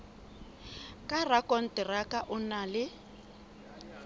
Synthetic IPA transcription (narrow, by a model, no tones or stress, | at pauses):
kʼarakʼɔn̩tʼɪrakʼaʔʊnalɪ